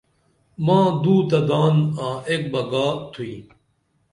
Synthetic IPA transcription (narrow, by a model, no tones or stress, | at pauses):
mãːd̪uːt̪ɐd̪aːnãːek̚bɐɡaːt̪ʰuiː